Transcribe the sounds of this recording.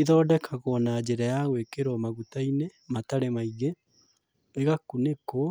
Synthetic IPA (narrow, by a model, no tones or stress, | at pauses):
iðɔːdɛkʰaɣɔnad͡ʑeɾajaɣwekeɾɔmaɣutainemataɾemaiɣe | eɣakuneko